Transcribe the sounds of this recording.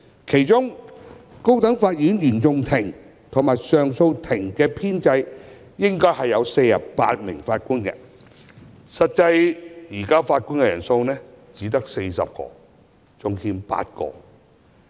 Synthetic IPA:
kʰe˨˩jt͡sʊ˥ŋ | ko˥wt̪ɐ˨˥ŋfaː˧t̚jiː˨˥njyː˨˩nt͡sʊ˧ŋt̪ʰɪ˨˩ŋ | t̪ʰʊ˨˩ŋmaː˨˩jsœː˨ŋso˧wt̪ʰɪ˨˩ŋkɛː˧pʰiː˥nt͡sɐ˧j | jɪ˥ŋkɔː˥jhɐ˨jːɐ˨˧wse˧jjɐ̰˨˩ppa̰ː˧t̚mɪ̰˨˩ŋfaː˧t̚kuː˥nkɛ̰˧ | sɐ˨t̚t͡sɐ˧jjiː˨˩kaː˥faː˧t̚ku˥nkɛ˧jɐ˨˩nso˧wnɛː˥ | t͡siː˨˥t̪ɐ˥k̚se˧jsɐ̰˨p̚kɔ̰ː˧ | t͡sʊ˨˧ŋhiː˧mpa̰ː˧t̚kɔ̰ː˧

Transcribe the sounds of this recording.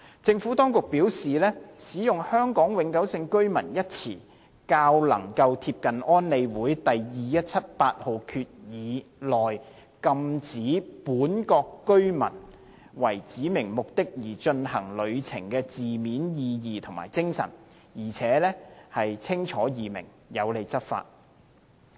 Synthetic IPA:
t͡sɪ˧ŋfuː˨˥t̪ɔː˥ŋkʊ˨k̚piː˨˥wsiː˨lɛː˥siː˨˥jʊ˨ŋhœː˥ŋkɔː˨˥ŋwɪ˨˧ŋkɐ˨˥wsɪ˧ŋkɵ˥ɥmɐ˨˩njɐ˥t̚t͡sʰiː˨˩ | kaː˧wlɐ̰˨˩ŋkɐ˧wt̪ʰiː˧p̚kɐ˨nɔː˥nle˨˧jwuː˨˥jt̪ɐ˨jjiː˨jɐ˥t̚t͡sʰɐ˥t̚paː˧t̚ho˨wkʰyː˧t̚jiː˨˧lɔː˨j | kɐ˧mt͡siː˨˥puː˨˥nkɔː˧kːɵ˥ɥmɐ̰˨˩n | wɐ˨˩jt͡siː˨˥mɪ˨˩ŋmʊ˨k̚t̪ɪ˥k̚jiː˨˩t͡ʃɵ˧nhɐ˨˩ŋlɵ˨˧ɥt͡sʰɪ̰˨˩ŋkɛː˧t͡siː˨miː˨˥njiː˧jiː˨t̪ʰʊ˨˩ŋma̰ː˨˩jt͡sɪ˥ŋsɐ̰˨˩n | jiː˨˩t͡sʰɛː˨˥lɛː˥hɐ˨jt͡sʰɪ˥ŋt͡ʃʰɔː˨˥jiː˨mɪ̰˨˩ŋ | jɐ˨˧wle˨˧jt͡sɐ˥t̚fa̰ː˧t̚

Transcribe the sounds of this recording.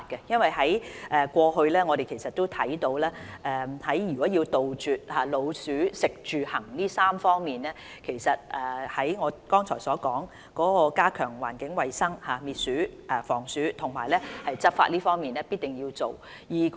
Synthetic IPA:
t̚kɛ˧jɐ˥nwɐ˨jhɐ˨˥jʔɛː˨kʷɔː˧ɦɵ˧ɥlɛː˥ŋɔː˨˧ɾe˨jkʰe˨˩sɐ˨t̪̚o˥wt̪ʰɐ˨˥jt̪o˧wlɛː˥ʔɛː˨hɐ˨˥jjyː˨˩kɔː˨˥ji˧wt̪o˨wt͡ʃyː˨t̚haː˨lo˨˧wsyː˨˥sɪ˨k̚t͡ʃyː˨hɐ˨˩ŋliː˥saː˥mfɔː˥ŋmiː˨nlɛː˥ | kʰe˨˩jsɐ˨t̚ʔɛː˨hɐ˨˥jŋɔː˨˧kɔː˥ŋt͡ʃʰɔ̰ː˨˩jsɔː˨˥kɔː˨˥ŋ | kɔː˨˥kɔː˧kaː˥kʰœː˨˩ŋwa̰ː˨˩nkɪ˨˥ŋwɐ˨jsɐ˥ŋhaː˨˧miː˨˩t̚syː˨˥ʔɛ˨fɔː˨˩ŋsyː˨˥t̪ʰʊ˨˩ŋma̰ː˨˩jlɛː˥hɐ˨jt͡sɐ˥t̚fa̰˧t̚liː˥fɔː˥ŋmiː˨nlɛː˥piː˥t̚t̪ɪ˨ŋji˧wt͡so˨w | jiː˨

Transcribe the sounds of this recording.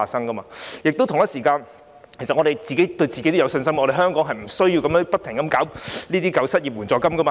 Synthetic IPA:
aː˨sɐ˥ŋkɐ˥ma̰ː˧jɪ˨k̚t̪o˥wt̪ʰʊ˨˩ŋjɐ˥tsiː˨˩kaː˧n | kʰe˨˩sɐ˨t̚ŋɔː˨˧ɾe˨˩jt͡siː˨ke˨˥jt̪ɵ˧ɥt͡siː˨e˥t̪o˥jɐ˨˧wsɵ˧nsɐ˥m˨ɔ˨˧ɾe˨jɦœː˥ŋkɔː˨˥ŋɦɐ˨jm̩˨˩sɵ˥ɥji˧wkɐ˨˦mjœː˧˥ŋpɐ˥t̪ʰɪ˨˩ŋkɐ˨˥mkaː˨˥wliː˥t̪iː˥kɐ˨˧wsɐ˥t̚jiː˨p̚wuː˨˩nt͡sɔː˨˧kɐ˥mkɐ˥maː˧

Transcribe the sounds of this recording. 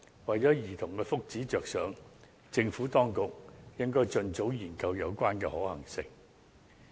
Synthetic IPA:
wɐ˨jt͡sɔː˨˥jiː˨˩t̪ʰʊ˨˩ŋkɛː˧fʊ˥k̚t͡siː˨˥t͡ʃœː˨k̚sœː˨˥ŋ | t͡sɪ˧ŋfuː˨˥t̪ɔː˥ŋkʊ˨k̚jɪ˥ŋkɔː˥jt͡ʃɵ˧nt͡so˨˥wjiː˨˩nkɐ˧wjɐ˨˧wkʷaː˥nkɛː˧hɔː˨˥hɐ˨˩ŋsɪ˨˧ŋ

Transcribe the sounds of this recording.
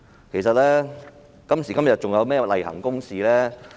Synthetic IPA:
kʰe˨˩sɐ˨t̚lɛː˥ | kɐ˥msiː˨˩kɐ˥mjɐ˨˩t̚t͡ʃʊ˨ŋjɐ˨˧wmɛː˥lɐ̰˨˩jhɐ̰˨˩ŋkʊ˥ŋsiː˨lɛː˥

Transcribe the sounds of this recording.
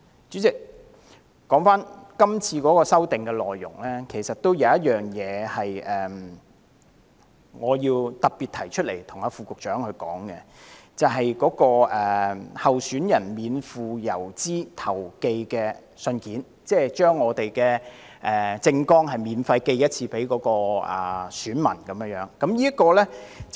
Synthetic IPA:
t͡ʃy˨˥t͡sɪ˨k̚ | kɔː˨˥ŋfaː˥nkɐ˥mt͡sʰiː˧kɔː˨˥kɔː˧sɐ˥wt̪ɪ˨ŋkɛ˧lɔː˨˩jːʊ̰˨˩ŋlɛː˥kʰe˨˩jsɐ˨t̚t̪o˥wjɐ˨˧wjɐ˥t̚jœː˨ŋjɛː˨˧hɐ˨jʔɛː˨˩m | ŋɔː˨˧jiː˧wt̪ɐ˨k̚pi˨t̪ʰɐ˨˩jt͡ʃʰɵ˥t̚le˨˩jt̪ʰʊ˨˩ŋaː˨˧fuː˨˧kʊ˨k̚t͡ʃœː˨˥ŋhɵ˧ɥkɔ̰ː˨˥ŋkɛ˧t͡sɐ˨wɦɐ˨jkɔː˨˥kɔː˧ʔɛː˨hɐ˨wsy˨˥njɐ˨˩nmiː˨˧nfuː˨jɐ˨˩wt͡siː˥t̪ʰɐ˨˩wke˧jkɛː˧ | sɵ˧nkiː˨˥n | t͡sɛː˥˩t͡ʃœː˥ŋːɔː˨˧t̪e˨jkɛː˧ | ʔɛː˨t͡sɪ˧ŋkɔː˥ŋɦɐ˨jmiː˨˧nfɐ˧jke˧jjɐ˥t̚t͡sʰiː˧pe˨˥jkɔː˨˥kɔː˧ʔɛ̰˨˩syː˨˥nmɐ˨˩nkɐ˨˦mjːjœː˨˥ŋkɐ˨˦˥mjiː˥ɐ˥t̚kːɔː˧lɛː˥t͡s

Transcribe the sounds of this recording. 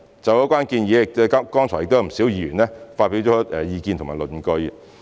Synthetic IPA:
t͡sɐ˨˧wjkʷwaː˥nkiː˧njiː˨˧˥k̚ɛ˧kkɔː˥ŋt͡ʃʰɔ˨˩jɪk̚t̪o˥jm̩˨˩si˨˥wjiː˧jyː˨˩nlɛː˥faː˧t̚pi˨˥wt͡ʃɔː˨˥ɛː˨jiː˨˧kiː˧nt̪ʰʊ˨˩maː˨˩lɵ˨˩nkɵ˧j

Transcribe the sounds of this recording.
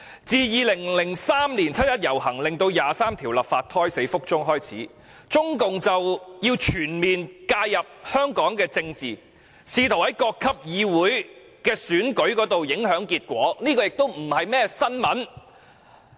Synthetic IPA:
t͡siː˨jiː˨lɪ˨˩ŋlɪ˨˩ŋsaː˥mliː˨˩nt͡sʰɐ˥t̚jɐ˥t̚jɐ˨˩whɐ˨˩ŋlɪ˨ŋt̪o˧wjaː˨saː˥mt̪ʰiː˨˩wlɐ˨pfaː˧t̪̚ʰɔː˥jse˨˥jfʊ˥k̚t͡sʊ˥ŋɦɔː˥jt͡sʰḭː˨˥ | t͡sʊ˥ŋkʊ˨ŋt͡sɐ˨wjiː˧wt͡ʃʰyː˨˩nmiː˨nkaː˧jjɐ˨p̚hœː˥ŋkɔː˨˥ŋkɛː˧t͡sɪ˧ŋt͡siː˨ | siː˨˧t̪ʰwhɐ˨˥jkɔː˧kʰːɐ˥p̚jiː˨˧wuː˨˥j | kɛː˧syː˨˥nkɵ˨˥ɥkɔː˨˥t̪o˨wjɪ˨˥ŋɦœː˨˥ŋkiː˧t̚kʷɔː˨˥niː˥kɔː˧jɪ˨k̚t̪o˥wm̩˨˩hɐ˨jmɛː˥sɐ˥nmɐ˨˥n

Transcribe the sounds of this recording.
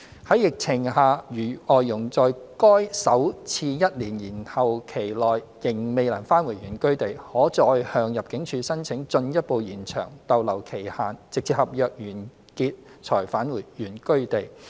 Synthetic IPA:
hɐ˨˥jɪ˨k̚t͡sʰɪ˨˩ŋhaː˨˧jyː˨˩ɔː˨jːʊ˨˩ŋt͡sɔː˨jkɔː˥jsɐ˨˥wt͡sʰiː˧jɐ˥t̚liː˨˩njiː˨˩nhɐ˨wkʰe˨˩jlɔː˨jjɪ˨˩ŋme˨jlɐ˨˩nfaː˥nwuː˨˩jɥyː˨˩nkɵ˥ɥt̪e˨jhɔː˨˥t͡sɔː˧jhœː˧ŋjɐ˨p̚kɪ˨˥ŋt͡ʃʰyː˧sɐ˥nt͡sʰɪ˨˥ŋt͡sɵ˧njɐ˥t̚po˨˧wjiː˨˩nt͡ʃʰœ̰ː˨˩ŋt̪ɐ˨wlɐ˨˩wkʰe˨˩jhaː˨nt͡sɪ˨k̚t͡sʰi˧˩hɐ˨p̚jœː˨k̚jyː˨˩n | kiː˧t̚t͡sʰɔː˨˩jfaː˨˥nwuː˨˩jːyː˨˩nkɵ˥ɥt̪e˨j

